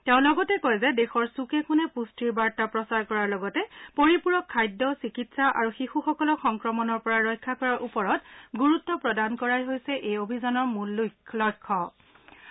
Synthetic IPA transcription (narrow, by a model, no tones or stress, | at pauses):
tɛʊ̃lɔɡɔtɛkojzɛdexɔɹsukɛkunɛpustiɹbaɹtapɹɔsaɹkɔɹaɹlɔɡɔtɛpoɹipuɹɔkʰːajdːɔsikitsaʔa̰ɹuxixuxɔkɔlɔxɔŋkɹɔmɔnɔɹpɔɹaɹɔjkʰːakɔɹaɹʔupɔɹɔtɡuɹutːɔpɹɔdankɔɹajɦojsɛʔejobʱizɔnɔɹmulːulɔjkʰːɔ